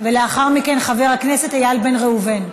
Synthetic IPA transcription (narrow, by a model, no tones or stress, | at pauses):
ve̞le̞aχaʁmike̞nχave̞ʁhakne̞se̞t̪hajalbe̞nʁeuven